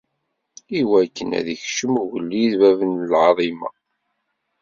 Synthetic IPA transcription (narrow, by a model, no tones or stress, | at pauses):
iwækːənæ̰ðiçʃəmuʝəlːiðvævənəlʕɑðˤimɑ̰